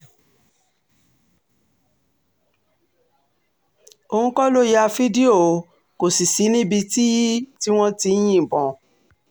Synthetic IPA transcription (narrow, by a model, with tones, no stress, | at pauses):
o˧hũ˧kɔ˦lo˦ja˧fi˦di˦o˦˨˦ | ko˨si˨si˨˦nĩ˦bi˧ti˦ji˦ti˦w̃ɔ̃˦ti˧˦j̃ĩ˦˨bɔ̃˨